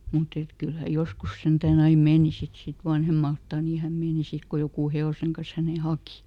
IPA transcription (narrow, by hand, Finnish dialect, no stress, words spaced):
mut et kyl hæ joskus sentæːn ɑi meːni sit sit ʋɑnhemɑltɑˑ niː hæm meːni sit ko jokuˑ heoˑseŋ kɑn̞s hæneˑ hɑki